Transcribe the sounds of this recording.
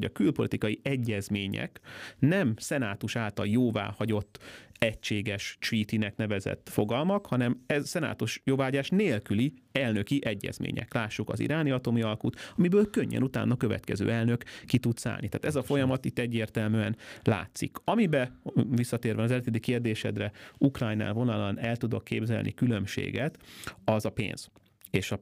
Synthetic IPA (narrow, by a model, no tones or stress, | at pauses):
hoɟɒkylpo̞lit̪ikɒjiɛɟːɛzmeːɲɛ̰knɛmsɛnaːt̪uʃaːlt̪ɒljoːva̰ːhɒɟo̞t̪ːɛcʃeːɡɛʃt͡ʃiːt̪inɛknɛvɛzɛ̰t̪ːfo̞ɡɒlmɒkhɒnɛmɛzsɛna̰ːt̪uʃjoːvaːɦɒɟaːʃneːlkyliɛlnø̞kiʔɛɟːɛ̰z̥mḛːɲɛ̰klaːʃːukɒ̰zḭɾaːniɒt̪o̞miɒlkut̪ɒmibøːlkøɲːɛ̰nut̪a̰ːnːɒkøvɛ̰t̪kɛzø̰ːɛlnø̞kːit̪ut̪sa̰ːlnit̪a̰ːt̪ɛzɒfo̞jɒmɒt̪it̪ːɛɟːeːrt̪ɛlmyːɛnla̰ːt̪sikɒmibɛvisːɒt̪eːrɾvɛɒzɛlt̪ed̪ikeːrd̪eːʃɛ̰d̪rɛukrɒjna̰ːlvo̞nɒlɒnɛlt̪ud̪o̞kːeːbzɛ̰lnʔḭkylømʃḛːɡɛt̪ɒzɒpḛːnz̥ | eːʃɒ